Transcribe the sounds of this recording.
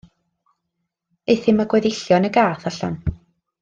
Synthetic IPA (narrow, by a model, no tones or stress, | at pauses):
eθɪmaɡwɛðɪɬjɔnəɡaːθaɬa̰n